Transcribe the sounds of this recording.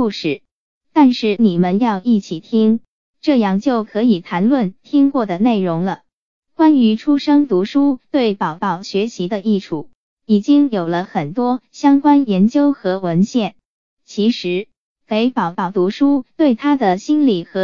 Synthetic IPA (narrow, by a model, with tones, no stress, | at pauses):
u˥˩ʂɻ̩˨˩˦ | t̪a˥˧nʂɻ̩˥˩ni˨˩mə˦njɑ˥˧ʊi˥˩t͡ɕʰi˨˩t̪ʰi˥ŋ | ʈ͡ʂɤ˥˧jɑ˥˩ŋt͡ɕjo˥˩ʊkʰɤ˧˥i˨˩t̪ʰa˧˥nlwə˥˩nt̪ʰi˥ŋkwɔ˥˩d̪ə˩ne˥˩ɪɻʊ˧˥ŋlə˧ | kwa˥ny˧˥ʈ͡ʂʰu˥ʂɤ˥ŋt̪u˧˥ʂu˥t̪we˥˩ɪpɑ˨˩ʊt̪ɑ˥˩ʊɕɥɛ˧˥ɕʰi˧˥d̪ə˧ʔi˥˩ʈ͡ʂʰu˨˩˦ | i˨˩t͡ɕi˥ŋjo˨˩ʊlə˦xə˨˩nt̪wɔ˥ɕjɑ˥ŋkwa˥njɛ˧˥nt͡ɕjo˥ʊxɤ˧˥wə˧˥nɕjɛ˥˩n | t͡ɕʰi˧˥ʂɻ̩˧˥ | fe˧˥ɪpɑ˨˩ʊt̪ɑ˥˩ʊt̪u˧˥ʂu˥t̪we˥˩ɪt̪ʰa˥d̪ə˨ɕi˥nli˨˩xɤ˧˥